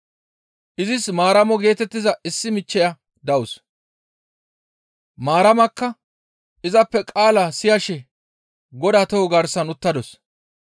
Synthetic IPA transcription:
ʔɪzɪsmaːɾɐmɔɡe̞ːt̪ɛt̪ːɪzɐɪsːɪmɪt͡ʃːɛjɐ | d̪ɐwʊs | maːɾɐmɐkːɐ | ɪzɐpːɛkʼaːlasɪjɐʃɛ | ɡɔd̪at̪ɔwɔɡɐɾsɐnʊt̪ːɐd̪ɔs

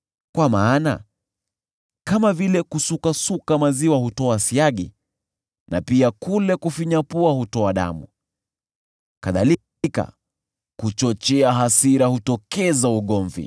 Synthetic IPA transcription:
kwamaːna̰ | kamavilɛkusukasukamaziwahutɔasiaɠḭ | na̰piakulɛkufiɲapuahutɔaɗa̰mṵ | kaðali | ka̰ | hut͡ʃɔt͡ʃɛaɦasiɾahutɔkɛzauɠɔɱvḭ

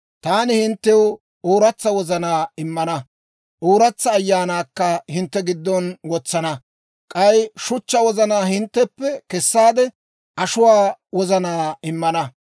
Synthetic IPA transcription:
t̪aːnɪhɪnt̪ːɛw | oːɾɐt͡sːɐwɔzɐnaːɪmːɐnɐ | ʔoːɾɐt͡sːɐːjːaːnaːkːɐhɪnt̪ːɛɡɪd̪ːɔnwɔt͡sːɐnɐ | kʼɐjʃʊt͡ʃːɐwɔzɐnaːhɪnt̪ːɛpːɛkɛsːaːd̪ɛ | ʔɐʃʊwaːwɔzɐnaːɪmːɐnɐ

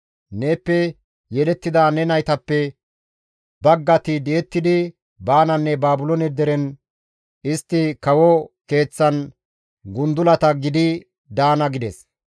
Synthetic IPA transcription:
ne̞ːpːɛ | jɛlɛt̪ːɪd̪aːnɛnɐjt̪ɐpːɛ | bɐɡːɐt̪ɪd̪ɛɛt̪ːɪd̪ɪ | baːnɐnːɛbaːbʊlɔnɛd̪ɛɾɛn | ɪst̪ːɪkɐwɔke̞ːt͡sːɐn | ɡʊnd̪ʊlɐt̪ɐɡɪd̪ɪ | d̪aːnɐɡɪd̪ɛs

